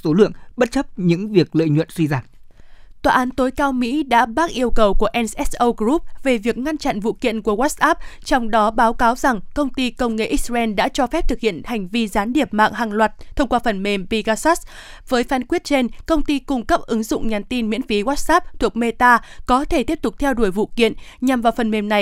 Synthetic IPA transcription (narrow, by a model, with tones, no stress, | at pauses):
so˨˦lɨ̰˧˨əŋɓə˦˥t̚t͡ɕə˦˥p̚ɲɨ̰˧˥ŋvi˨˩ək̚lə̰ː˧˨jɲwə̰˧˨nzi˧zaː˧˩m | t̪waː˨˩ʔaː˨˦nt̪o˨˦jkaː˧wmḭ˧˥ɗa̰ː˧˥ɓaː˦˥k̚ʔi˧əwkə˨˩wku˧˩əʔɛ˧nsʔɛ˦˥sʔə˧wɣɾu˦˥p̚ve˨˩vi˨˩ək̚ŋa˧nt͡ɕa̰˧˨nvṵ˧˨kḭ˧˨ənku˧˩əɣwaː˦˥t̚ʔaː˦˥p̚t͡ɕɔ˧wŋ͡mɗɔ˨˦ɓaː˨˦wkaː˨˦wza˨˩ŋkə˧wŋ͡mt̪i˧kə˧wŋ͡mŋḛ˧˨ʔi˦˥raː˧ʔɛ˧nɗa̰ː˧˥t͡ɕɔ˧fɛ˦˥p̚t̪ʰɨ˨˩k̚hḭ˧˨ənha˨˩jŋ̟vi˧zaː˨˦nɗi˨˩əp̚ma̰ː˧˨ŋɦaː˨˩ŋlwaː˨˩t̚t̪ʰə˧wŋ͡mkwaː˧fə˨˩nme˨˩mvi˧ɣaː˧sa˦˥ | vəː˨˦jfaː˨˦nkwi˦˥ət̚t͡ɕe˧nkə˧wŋ͡mt̪i˧kʊ˧ŋ͡mkə˦˥p̚ʔɨ˨˦ŋzʊ̰˧˨ŋ͡mɲaː˨˩nt̪i˧nmḭ˧˥ənfi˨˦ɣwaː˦˥t̚ʔaː˦˥p̚t̪ʰu˨˩ək̚me˧t̪aː˧kɔ˨˦t̪ʰe˧˩t̪i˦˥əp̚t̪ʊ˨˩k͡p̚t̪ʰɛ˧wɗu˧˩əjvṵ˧˨kḭ˧˨ənɲa˨˩mvaː˨˩wfə˨˩nme˨˩mna˨˩j